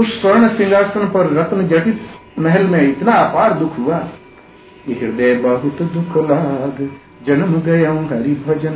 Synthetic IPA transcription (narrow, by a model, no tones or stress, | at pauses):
ussɐɾɳəsĩŋɡaːɾsɐnpɐɾːɐt̪nd͡ʒɐʈit̪mɐɦɛlmẽɪt̪naːpaːɾd̪ukʰɦuʋaː | kiɦiɾd̪eːbɐɦut̪d̪ukʰolaɡ | d͡ʒɐnmɡɐjɐ̃ɦɐɾibʱɐd͡ʒən